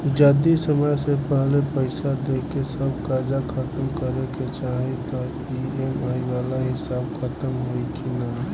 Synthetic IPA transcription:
d͡ʒad̪isəməjsepɛɦlepəɪsad̪eːkesəbkaːɾd͡ʒakʰɐt̪əmkəɾeket͡ʃaːɦit̪ɔpiemaːiʋaːlaɦɪsaːbkʰət̪əmɦoikina

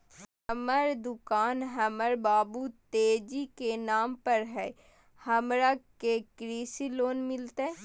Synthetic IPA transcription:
ɐməɾd̪ʊkaːnɦɐməɾbaːbut̪eːd͡ʒikenaːmpɐɾɦɛː | hɐmɾakekɾiːsiloːnmɪlt̪eɛ

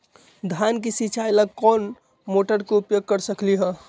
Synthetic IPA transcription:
d̪ʱankisit͡ʃʰajlakɔn | moʈəɾkeupjoɡ̚kəɾsəkliɦə̃

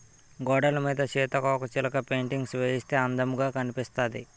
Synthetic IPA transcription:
ɡɔːɽɐlɐmiːd̪ɐt͡ʃɛːt̪ɐkɐːkɐt͡ʃilɐkɐpe̞ːɳʈiŋɡsʋeːjist̪e̞ːɐnd̪ɐmuɡaːkɐnipist̪aːd̪i

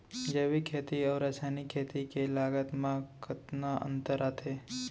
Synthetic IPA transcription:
d͡ʒəʋikʰeːt̪iɔːɾɐsaːnikʰeːt̪ikelaːɡət̪mãkʰɪt̪naʔə̰̃nt̪əɾaːt̪ʰeː

